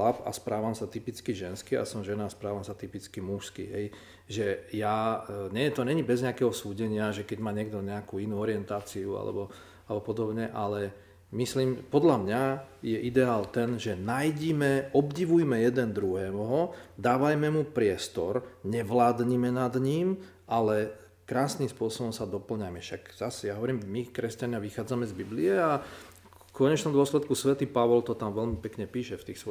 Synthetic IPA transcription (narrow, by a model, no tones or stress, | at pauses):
apa̰spɾaːʋamsat̪ipit͡skiʒɛnskia̰sɔmʒɛnaspɾaːʋamsat̪ipit͡skimuʃskḭɦɛj | ʒɛjaɲɛjɛt̪ɔɲɛɲibɛzɲɛakɛɦɔsuːɟɛɲɪaʒɛkɛɟmaːɲɪɛɡ̚d̪ɔɲɛakuːinuːɔɾɪɛnt̪aːt͡siua̰lɛ̰bɔ | alɛbɔpɔd̪ɔbɲɛʔalɛ | misliːmpɔd̪ʎamɲajɛʔid̪ɛaːlt̪ɛnʒɛnajɟimɛʔɔbɟiʋujmɛjɛd̪ɛnd̪ɾuɦɛːɦɔd̪aːʋajmɛmupɾɪɛst̪ɔ̰ɾɲɛʋlaːd̪ɲimɛnad̪ɲim | ʔalɛ | kɾaːsnimspʊɔsɔbɔmsad̪ɔpl̩ɲajmɛfʃakz̥asɛjaɦɔʋɔɾiːmmikɾɛscaɲɪaʋixaːd͡zamɛzbibliɛa | kɔɲɛt͡ʃnɔ̃md̪ɔslɛt̪kusʋɛt̪iːpaʋɔlt̪ɔt̪amʋɛlmipɛkɲɛpiːʃɛft̪iːxsʋɔ